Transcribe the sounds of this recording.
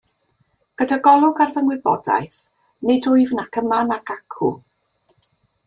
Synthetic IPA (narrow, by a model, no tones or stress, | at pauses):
ɡ̥ədaɡɔlˠʊɡarvənwɪbɔ̰da̰jθ | nɪdʊɨvnakʰəmanakʰakʰṵ